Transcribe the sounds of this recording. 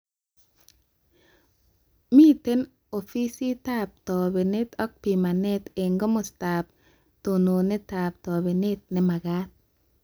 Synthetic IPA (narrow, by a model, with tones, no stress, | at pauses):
mi˦te˦n | o˨fi˦si˦ta˦p̚tɔ˨be˨ne˦t̪ɔ˦k̚pi˨ma˨ne˦t̪e˨ŋɡɔ˦mo˨sta˨p̚ | to˨no˨ne˦taː˨p̚tɔ˨be˨ne˦t̪̚nɛ˦ma˨ɡa˦t̪̚